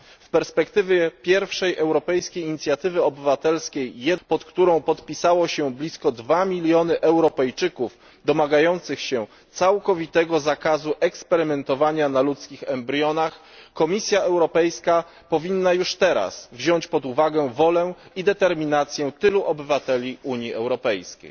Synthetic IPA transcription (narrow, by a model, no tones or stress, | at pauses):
fpɛɾspɛkt̪ɘvʲjɛpʲjɛɾfʂɛjʔɛwɾɔpɛjskʲejɲit̪sʲjat̪ɘvɘɔbɘvat̪ɛlskʲejːɛpɔt̪kt̪uɾɔ̃w̃pɔt̪pʲisawɔɕɛblʲiskɔd̪vamʲilʲjɔnɘʔɛwɾɔpɛjt͡ʂɘkuf | d̪ɔmaɡajɔnt̪sɘxɕɛ̃ | t̪sawkɔvʲit̪ɛɡɔzakazuʔɛkspɛɾɘmɛnt̪ɔvaɲanalut̪skʲixɛmbɾʲjɔnax | kɔmʲisʲjaɛwɾɔpɛjska | pɔvʲinːajuʂt̪ɛɾa̰svʑɔɲt͡ɕpɔd̪uvaɡɛvɔlɛid̪ɛt̪ɛɾmʲinat̪sʲjɛt̪ɘluʔɔbɘvat̪ɛlʲiʔuɲiɛwɾɔpɛjskʲḛj